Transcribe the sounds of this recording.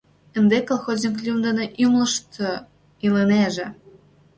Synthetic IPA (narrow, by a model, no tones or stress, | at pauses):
ə̆nd̪ekolˠxozʲnʲiklʲumd̪eneʔymlə̆ʃt̪o | iləneʒĕ